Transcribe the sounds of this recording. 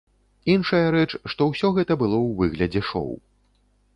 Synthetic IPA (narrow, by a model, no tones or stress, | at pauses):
inʂɐjɐɾɛt͡ʂʂt̪ɔwsʲɔɣɛt̪ɐbɨlˠɔwvɨɣlʲɐd͡zʲɛʂɔ̰w